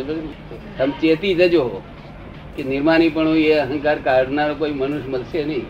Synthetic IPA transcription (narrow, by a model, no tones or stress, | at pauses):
səmt͡ʃet̪it̪əd͡ʒo | kenɪɾmanipəɳũeəɦə̃ŋkaɾkaɾɖnaɾokoːimənuʃməlsenəĩ